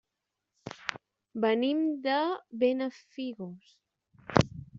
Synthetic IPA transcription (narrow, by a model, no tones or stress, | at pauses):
bənimd̪əβenəfiɣos